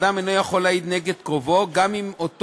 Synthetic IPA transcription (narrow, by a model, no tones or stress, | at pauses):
dameno̞jaχo̞laid̪neɡed̪kʁo̞vo̞ɡamimot̪